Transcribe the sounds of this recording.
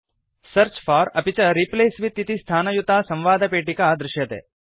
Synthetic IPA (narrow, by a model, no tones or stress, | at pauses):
sɐɾt͡ʃfʰaːɾɐpit͡ʃɐɾipleːsʋit̪ːit̪ist̪ʰaːnɐjut̪aːsɐ̃mʋaːd̪ʱɐpeːʈikaːd̪ɾɪʃjɐt̪ḛː